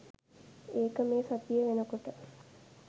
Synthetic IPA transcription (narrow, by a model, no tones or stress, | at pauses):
eːkəmeːsat̪ijəʋenəkoʈə